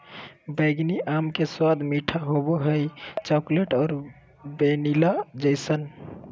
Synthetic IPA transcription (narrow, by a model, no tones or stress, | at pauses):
bəɪɡniʔamkeswad̪ʱmiʈʰaɦoboɦəjt͡ʃɔkleʈɔːɾ | benilad͡ʒəɪsən